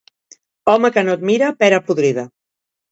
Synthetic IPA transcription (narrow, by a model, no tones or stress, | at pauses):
ɔməkənot̪̚miɾəpɛɾəpuðɾiðə